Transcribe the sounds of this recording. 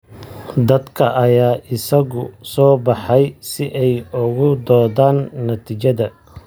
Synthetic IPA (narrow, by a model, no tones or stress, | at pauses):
d̪ɐd̪kʰɐʔɐjaːʔɪsɐɣʊsɔːbɑħɛjsɪʔɛjʊɣʊd̪ɔːðaːnːɐt̪ʰiːt͡ʃɐðɐ